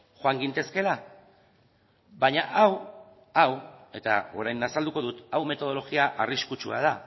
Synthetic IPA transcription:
xoaŋɡint̪e̞ske̞la | βaɲaʔaw | awe̞t̪a̰o̞̰ɾajnasald̪uko̞ðut̪awme̞t̪o̞ð̞o̞lo̞ɣiaʔariskut͡ʃua̰ð̞a

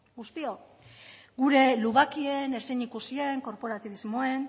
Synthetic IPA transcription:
ɡust̪io̞ | ɡuɾe̞luɣakie̞neseɲikusie̞ŋko̞ɾpo̞ɾat̪iβizmoe̞n

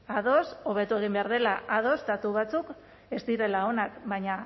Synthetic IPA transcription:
aðo̞so̞β̞e̞t̪ue̞ɣ̞imbe̞aɾð̞e̞laaðo̞st̪at̪uβ̞at͡suk | e̞st̪iɾe̞lao̞nakβajɲa

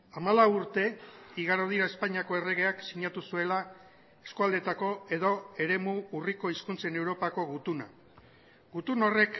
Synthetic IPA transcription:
amalawuɾt̪e̞iɣaɾoð̞iɾae̞spaɲiako̞e̞re̞ɣ̞e̞aksiɲat̪usue̞la | e̞skuald̪e̞t̪ako̞e̞ðo̞e̞ɾe̞muːriko̞iskunt͡se̞ne̞wɾo̞pako̞ɣut̪una̰ | ɡut̪uno̞re̞k

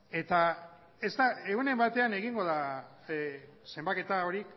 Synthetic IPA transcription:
e̞t̪a | e̞zt̪ae̞ɣune̞mbat̪e̞ane̞ɣiŋɡo̞ða | se̞mbake̞t̪ao̞ɾik

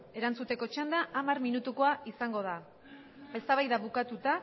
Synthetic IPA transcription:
e̞ɾant͡sut̪e̞ko̞t͡ʃand̪aʔːmarminut̪uko̞aisaŋɡo̞ð̞a | e̞st̪aβajðaβukat̪ut̪a

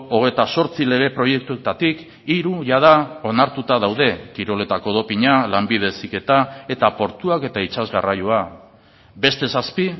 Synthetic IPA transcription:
o̞ɣ̞e̞jt̪aso̞ɾt͡sile̞ɣ̞e̞pɾo̞je̞k̚t̪ukt̪at̪ik | iɾuʝað̞ao̞naɾt̪ut̪aðawð̞e̞kiɾo̞le̞t̪ako̞ðo̞piɲalambið̞e̞sike̞t̪ae̞t̪apo̞ɾt̪uake̞t̪ait͡ʃazɣarajua | be̞st̪e̞saspi

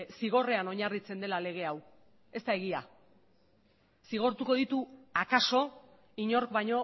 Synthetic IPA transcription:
siɣ̞o̞re̞ano̞ɲarit͡se̞nd̪e̞lale̞ɣ̞e̞aw | e̞st̪ae̞ɣ̞ia | siɣ̞o̞ɾt̪uko̞ðit̪uakaso̞ | iɲo̞ɾk̚bajɲo̞

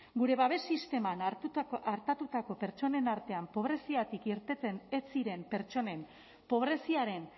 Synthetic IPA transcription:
ɡuɾe̞βaβe̞sist̪e̞manaɾt̪at̪ut̪ako̞pe̞ɾt͡ʃo̞ne̞naɾt̪e̞ampo̞β̞ɾe̞siat̪ikiɾt̪et͡senet͡siɾe̞mpe̞ɾt͡ʃo̞ne̞m | po̞β̞ɾe̞siaɾe̞n

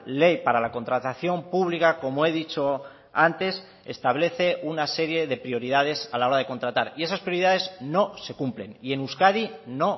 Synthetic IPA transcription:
le̞jpaɾalako̞nt̪ɾat̪aθjo̞mpuβ̞likako̞moe̞ð̞it͡ʃo̞ | ant̪e̞s | e̞̰st̪aβ̞le̞θe̞ʔunase̞ɾje̞ðe̞pɾio̞ɾiðaðe̞salao̞ɾað̞e̞ko̞nt̪ɾat̪aɾie̞saspɾjo̞ɾiðaðe̞zno̞se̞kumple̞̰nie̞nuskaðino̞

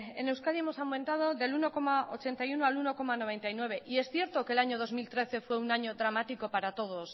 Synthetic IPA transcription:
ḛne̞wskaɾiemo̞sawmẽnt̪að̞o̞ðe̞luno̞ko̞maot͡ʃe̞nt̪ajunoaluno̞ko̞mano̞β̞e̞nt̪ajnwe̞βe̞ʔie̞sθje̞ɾt̪o̞ke̞laɲo̞ðozmilt̪ɾe̞θe̞fwe̞unaɲo̞dɾamat̪iko̞paɾat̪o̞ð̞o̞s

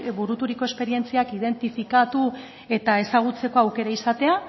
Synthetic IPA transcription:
buɾut̪uɾiko̞e̞spe̞ɾie̞nt͡siakið̞e̞nt̪ifikat̪u | e̞t̪ae̞saɣ̞ut͡se̞ko̞awke̞ɾaisat̪e̞a

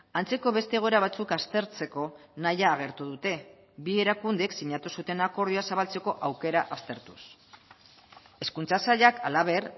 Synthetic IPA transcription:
ant͡se̞ko̞βe̞st̪e̞ːɣ̞o̞eɾaβ̞at͡sukast̪e̞ɾt͡se̞ko̞najaːɣ̞e̞ɾt̪uð̞ut̪e̞ | bie̞ɾakund̪eksiɲat̪usut̪e̞nako̞ɾðioasaβalt͡se̞ko̞ʔawke̞ɾaʔast̪e̞ɾt̪u̥s | e̞skunt͡sasaʎakalaβ̞e̞ɾ

